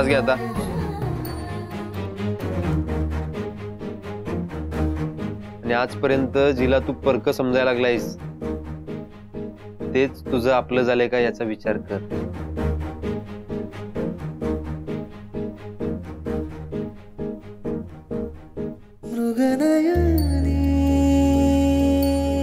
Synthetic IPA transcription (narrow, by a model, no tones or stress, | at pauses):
t͡sɡʱjat̪a | aniad͡zpəɾjənt̪əd͡ʑilat̪uːpəɾkəsəmd͡zajlaɡlajs | t̪et͡st̪ud͡zʱəapləːd͡zalekajat͡saʋit͡ɕaɾkəɾ | ʋɾuɡənajəni